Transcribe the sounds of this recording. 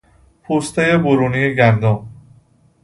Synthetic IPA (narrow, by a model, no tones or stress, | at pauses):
pʰuːst̪ʰejeboɾunijeɡænd̪ɔ